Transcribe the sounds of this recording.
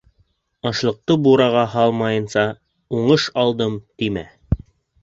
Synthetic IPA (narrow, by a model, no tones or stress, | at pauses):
ɑʃlˠɤ̆q̚t̪ɤbuɾɑʁɑhɑlˠmɑjɤ̆nsɑ | uɴɤʃɑlˠd̪ɤmt̪imæ̰